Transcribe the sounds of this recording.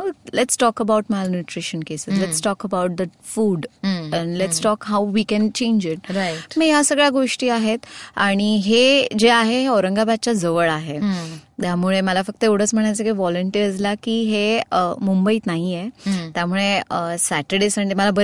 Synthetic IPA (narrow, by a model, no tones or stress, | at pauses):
olɛʈsʈɔkəbawʈmalnjuʈɾiɕənkesəlɛʈsʈɔkəbawʈ̚d̪ə | fuːɖɛ̃nlɛʈsʈɔkɦawʋikɛnt͡ɕẽɲd͡ʑɪʈ̚ɾamijasəɡɭjaɡoʂʈiːaɦet̪aɽ̃iɦed͡ʑeaɦeɦeɔɾəŋɡabat̪̚t͡ɕad͡zəʋəɭaɦet̪jamuɭeməlafək̚t̪əewɽ̤ət͡sm̤əɽ̃ajt͡səkaʋɔləɳʈiɾd͡zlakiːɦeəmumbəiːt̪naɦijet̪jamuɭeəsæʈəɽesəɳɖeməlabə